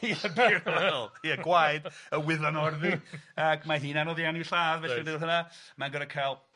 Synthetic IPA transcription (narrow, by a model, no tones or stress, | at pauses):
iɬəbiɾɔlˠjɛɡwajd̥əwɪðanɔrðiakmaɦiːnanɔðjaniwɬaːðvɛidɪwlˠɦənamanɡəɾakʰajlˠ